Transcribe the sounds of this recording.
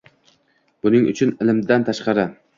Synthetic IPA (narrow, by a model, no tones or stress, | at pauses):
b̥ʊnɪŋʊ̰t͡ʃʰʊnɪlɪmd̪ant̪ʰaʃqɑɾɪ